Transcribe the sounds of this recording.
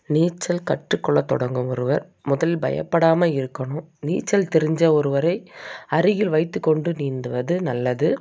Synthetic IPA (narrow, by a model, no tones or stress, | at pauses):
niːt͡ʃːɐlkɐʈrɯkːɔɭːɐt̪ːɔ̰ɽɐŋɡɯmɔɾɯʋɐɾ | mʊðɐlɪlbɐ̰jɐ̰pːɐɽaːmɐɪɾɯkːɐɳʊ̃niːt͡ʃːɐlt̪ɛɾɪɲd͡ʒɐɔɾɯʋɐɾɐɪɐɾɯjɪlʋɐɪt̪ːɯkːɔɳɖɯniːnd̪ɯʋɐðɯnɐlːɐðɯ